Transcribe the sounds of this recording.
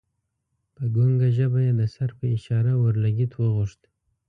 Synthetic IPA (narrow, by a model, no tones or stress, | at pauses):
pəɡuŋɡaʒabajed̪əsaɾpʰəiʃɑɾawəɾlaɡʲit̪ʰwəʁʊʃt̪